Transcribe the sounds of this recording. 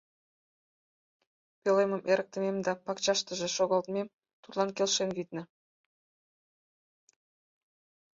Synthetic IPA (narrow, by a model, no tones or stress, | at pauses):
pʲelemɤ̆mʔeɾə̆k̚t̪ɘ̆mʲemd̪ɑpɑkt͡ɕɑʃt̪ə̆ʒɤ̆ʃoɣɑ̆lˠt̪mʲem | t̪ut̪lˠɑnkʲelʲʃenɣʲit̪nɘ̆